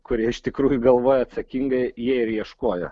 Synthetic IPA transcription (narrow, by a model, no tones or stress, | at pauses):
kʊɾʲiɛɪʃt̪ʲɪkɾuːjʊɡɐlˠʋoːjoɐt̪sɐkʲiŋɡɐɪjiɛɪɾjiɛʃkoːjo̰